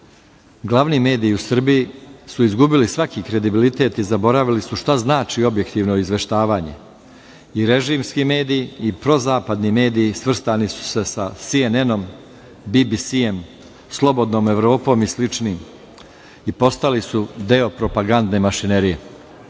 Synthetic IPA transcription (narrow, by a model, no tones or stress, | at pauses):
ɡlˠaʋnime̞ːd̪iiusr̩bijisuizɡubilisʋakikɾe̞d̪ibilit̪e̞ːt̪izabo̞ɾaʋilisuʃt̪aznaːt͡ʃio̞bje̞kt̪iːʋno̞izʋe̞ʃt̪aːʋaːɲḛ | iɾe̞ʒiːmskime̞ːd̪ijiːpɾo̞zaːpad̪nime̞ːd̪ijisʋr̩st̪anisu̥se̞sasieneno̞m | bibisije̞m | slˠo̞bo̞d̪no̞ːme̞ʋɾo̞ːpo̞ːmislit͡ʂniːm | ipo̞st̪alisud̪e̞o̞pɾo̞paɡand̪ne̞maʃine̞ɾije̞